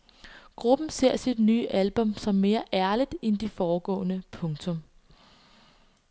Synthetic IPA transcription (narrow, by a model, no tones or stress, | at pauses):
ɡ̥ʁub̥n̩se̝ɐ̰sid̥nyːʔælb̥ɔ̽msɒ̽mːe̝ːɐʔæɐlid̥end̥ifɒːɡ̥ɔ̰̽ːnəpʰɔ̽ŋt͡sʰɔ̽m